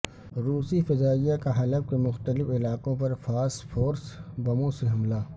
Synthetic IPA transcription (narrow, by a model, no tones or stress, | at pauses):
ɾuːsifɪzaːijakaɦɐləf̚kemʊxt̪əlɪfɪlaːkõpɐɾfaːsfʰoːɾsbɐmõseɦɐmlaː